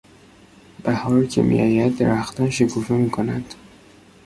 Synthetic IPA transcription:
b̥æhɒːɾcʰḛmḭjʔɒ̰ːjæd̪ːeɾæxt̪ænʃekʰufemiːkʰonæd̪̥

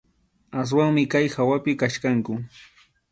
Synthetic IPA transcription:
as̬waŋmɪkajxawapɪkaʃkaŋkʊ

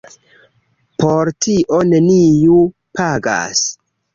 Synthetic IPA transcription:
poɾtiʔo̞ne̞niju | pʰaɡa̰s

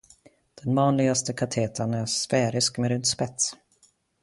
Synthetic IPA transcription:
d̪̥ɛnvɑːnlɪɡast̪əkʰat̪ʰeːt̪ʰanæɾsfɛːɾɪskmɛɾʏnt̪spɛt̪s

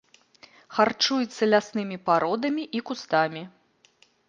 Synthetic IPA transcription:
xart͡ʂujɛt̪sːɐlʲasnɨmʲipaɾɔd̪ɐmʲiʔikust̪amʲi

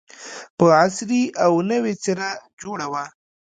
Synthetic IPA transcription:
pəasɾiawnəwet͡seɾad͡ʒoɽawa

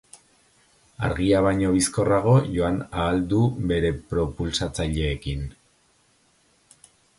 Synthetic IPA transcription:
a̰ɾɣiaβ̞aɲo̞βisko̞raɣ̞o̞ʝo̞anaːld̪uβe̞ɾe̞pɾo̞pulsat͡saʎe̞ːkin

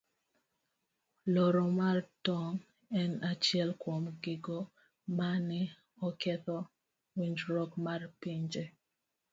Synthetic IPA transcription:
lɔɾɔmartɔŋ | ɛnat͡ʃjɛlkwomɡɪɡo | manɪ | ɔkɛt̪ɔ | wiɲd͡ʒɾɔkmarpiɲd͡ʒe

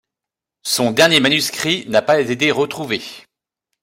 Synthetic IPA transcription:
sɔ̃d̪ɛʁnjemanyskχinapazet̪̬eʁət̪χuve

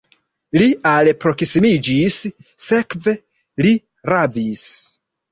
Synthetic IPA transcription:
lialpɾo̞ksimid͡ʒisːe̞kve̞ | li | ɾavis

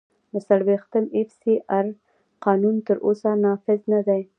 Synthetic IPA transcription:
d̪əsaɽwext̪əmɪfsiʔaɾ | qɑnunt̪əɾʔosanɑfɪznad̪aj

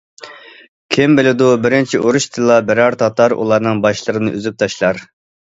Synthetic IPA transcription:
kʲʰɪmbɪlɪd̪ubɪɾɪnt͡ʃʰiʔoɾuʃt̪ʰɨlˠːɑbɛɾɑɾt̪ʰɑt̪ɑɾʔṵlˠɑɾnɨŋbɑʃlˠəɾɨnɨʔyzyp̚t̪ʰɑʃlˠɑɾ

